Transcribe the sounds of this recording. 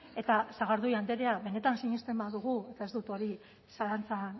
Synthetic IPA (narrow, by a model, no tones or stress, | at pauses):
e̞t̪asaɣaɾðujand̪e̞ɾe̞aβe̞ne̞t̪ansiɲest̪e̞mbaðuɣ̞ue̞t̪ae̞zd̪ut̪o̞ɾi | saðant͡san